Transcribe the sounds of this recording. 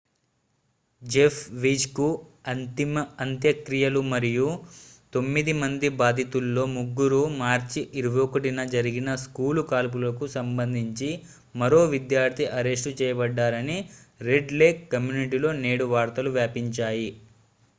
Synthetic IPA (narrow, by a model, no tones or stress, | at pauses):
d͡ʒepʰʋid͡ʒkuɐnt̪imɐɐnt̪jɐkɾijɐlumɐɾijut̪o̞mːid̪imɐnd̪ibaːd̪ʱit̪ulːo̞ːmuɡːuɾumaːɾt͡ʃiʔiɾuʋkɐʈinɐd͡ʒɐɾiɡinɐskuːlukaːlp̬ulɐkusɐmbɐnd̪ʱiɲt͡ʃi | mɐɾo̞ːʋid̪jaːɾt̪ʰiʔɐɾeʂʈut͡ʃɛːjɐbɐɖːaːɾɐniɾe̞ɖle̞ːkːɐmjuːniʈilo̞ːne̞ːɽuʋaːɾt̪ɐluʋjaːpiɲt͡ʃaːji